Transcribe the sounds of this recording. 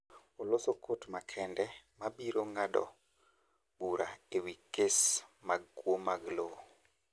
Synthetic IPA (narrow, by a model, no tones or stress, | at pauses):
olosokotmakʰɛndɛmabiɾoŋadɔ̰ | buɾaewikesmaɡkwomaɡloo